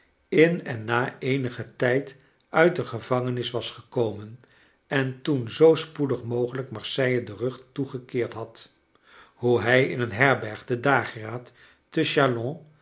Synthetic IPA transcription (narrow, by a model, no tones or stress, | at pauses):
ɪnɛnːaːejnəχətɛjt | ʔœɥt̚dəχəvɑŋənɪsʋɑsχəkowmən | ɛntunzowspudəχmowχələkmɑɹsɛjədərɵχtuχəkɪːɹtɦɑt | huɦɛjɪ̰nənɦɛɹbɛɹχdədaːχraːtː | əʃalɔ̃